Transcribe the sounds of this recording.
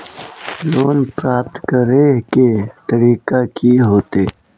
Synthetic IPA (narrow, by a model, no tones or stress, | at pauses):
loːnpɾaːp̚t̪kəɾeket̪əɾiːqakʰiɦoːt̪eː